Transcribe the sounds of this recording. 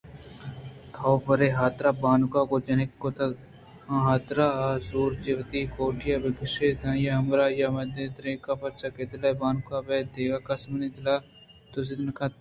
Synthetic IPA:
t̪ʰawpɐɾeːɦaːt̪ɾaːbaːnʊkaːkod͡ʒɐnekːot̪ɐ̃ | ɦaːt̪ɾaːzuːɾt͡ʃɪʋt̪iːkoːʈijabɪɡɪʃeːd̪ãːjaɦɐmɾaːjamɐd̪et̪ɾẽːkaːpɐt͡ʃaːkeːd̪labaːnʊkaːbeːd̪eːɡaːkɐsmnid̪ɪlaː | t̪ozɪd̪nka

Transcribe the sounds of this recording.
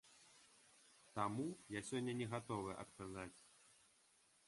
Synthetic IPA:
t̪amujasʲɔnʲːɐnʲɛɣat̪ɔvɨʔɐ̰t̪kazat͡sʲ

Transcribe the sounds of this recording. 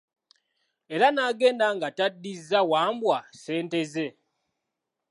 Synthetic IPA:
e̞ɾanaːɡe̞ːndaŋɡatadːizːawaːmbwase̞ːnte̞ze̞

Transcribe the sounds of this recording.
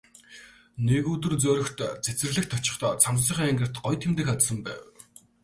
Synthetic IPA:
neɣuːt̪̬ɵ̆rt͡sœɾɵ̆xt̪t͡sʰet͡sɘ̆rɮɘ̆kt̪ʰːɔt͡ɕɪ̆χt̪ʰɔːt͡sʰamsĭːχiːŋæŋɡə̆rt̪ɢɔjt̪ʰemt̪ɘ̆kat͡ssə̆mpæ̰ːw

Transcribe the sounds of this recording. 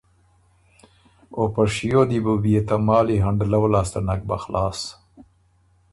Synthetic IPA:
opaʂijod̪ibubijet̪amɑːliɦaɳɖlawlɑːst̪anak̚ba̰xlʔɑːs

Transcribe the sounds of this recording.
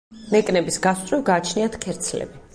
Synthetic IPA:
nɛkʼnɛbisɡast̪sʼwivɡaːt͡ʃʰniat̪ʰkʰɛɾt̪sʰlɛ̰bi

